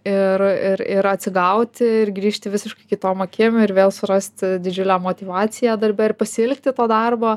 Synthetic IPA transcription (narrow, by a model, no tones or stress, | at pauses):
ɪrɪɾɪɾɐt̪ʲsʲɪɡɐʊt̪ʲɪɪɾɡɾʲiːʃʲt̪ʲɪʋʲɪsʲɪʃkɐɪkʲɪt̪oːmoːkʲɪmʲʊɪɾʋʲeːlˠsʊɾɐsʲt̪ʲd̪ʲɪd͡ʒʲʊlʲæːmoːt̪ʲiːʋɑːt͡s̪ʲɪjæːd̪ɐɾʲbʲɛɪɾpɐsʲɪɪlʲk̚t̪ʲɪt̪oːd̪ɑrboː